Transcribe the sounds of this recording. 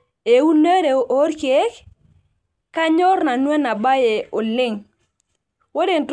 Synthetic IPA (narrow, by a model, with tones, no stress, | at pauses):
e˨u˦ne˦ɾe˨o˦ɾke˦k | ka˦ɲɔ˦ɾna˨nwe˦na˨ba˦je˨o˨lɪ˦ŋ | wo˦de˨nt